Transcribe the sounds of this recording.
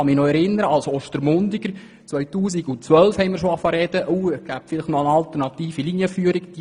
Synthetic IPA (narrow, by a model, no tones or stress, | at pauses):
ɑmɪnɔɛɾɪnəɾəɑlsɔʃtəɾmʊndɪɡəɾ | t͡sʋœɥtuːsiɡʊt͡sʋœlfhɛɪmɪɾrʃoɑfɑɾɛd̥əʔuɛɡ̥æp̚fɪlɪχtnɔəɑlt̪əɾnɑt̪iːfilinjəfyːəɾikd̥i